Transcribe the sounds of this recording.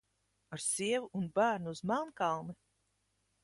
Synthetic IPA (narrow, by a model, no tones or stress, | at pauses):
aɾsiɛvuunbæːɾnuːzmankalˠni